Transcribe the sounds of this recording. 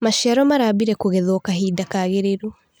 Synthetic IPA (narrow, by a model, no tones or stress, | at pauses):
maʃiaɾɔmaɾaːbiɾɛkoɣɛðɔkaɦiːdakaːɣeɾeɾu